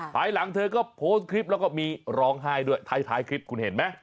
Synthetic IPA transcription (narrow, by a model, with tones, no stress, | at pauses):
pʰa˧jla˩˦ŋt̪ʰɤː˧kɔː˥˩pʰoː˦˥s̚kʰɾi˦˥p̚lɛ˦˥wkɔː˥˩miː˧ɾɔː˦˥ŋɦaː˥˩jdu˥˩əjt̪ʰa˧˩jt̪ʰaː˦˥jkʰɾi˦˥p̚kʰu˧nhe˨˩˦nma˦˥